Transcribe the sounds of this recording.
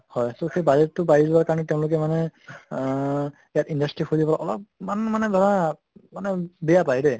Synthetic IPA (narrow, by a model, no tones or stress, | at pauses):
hɔjsoxejbad͡ʒɛtːʊbaɹilowakaɹɔnɛtɛʊ̃lʊk̬ɛmanɛ | ijatindastɹixuzipɔaʔɔlɔp̚manmanɛdʱɔɹa | manɛbɛjapajdɛ